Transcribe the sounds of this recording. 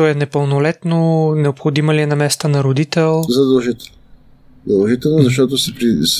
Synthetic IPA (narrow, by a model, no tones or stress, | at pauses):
t̪ɔɛnɛpəlˠnolɛt̪nonɛopxod̪imɐliɛnɐmɛst̪ənɐɾod̪it̪ɛlˠzɐd̪ɐlˠʒit̪ɛlˠn | zd̪ɐlˠʒit̪ɛlˠnozɐʃ̬t̪ɔt̪osɛpɾis